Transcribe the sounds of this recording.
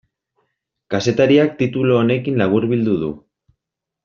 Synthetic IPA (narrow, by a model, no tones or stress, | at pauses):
kase̞t̪aɾiak̚t̪it̪ulo̞ːne̞kinlaβ̞uɾβild̪uðṵ